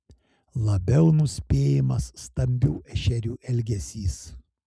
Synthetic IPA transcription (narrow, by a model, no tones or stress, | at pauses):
lˠɐbʲɛʊnʊsʲpʲeːjɪmɐsːt̪ɐmʲbʲɛʊɛʃʲɛɾʲuːʔɛlʲɡʲɛsʲiːs